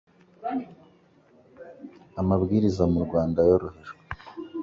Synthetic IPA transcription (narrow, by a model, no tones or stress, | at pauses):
amaβɡiːɾizamuɾɡwaːndajo̞ɾoheʒwwe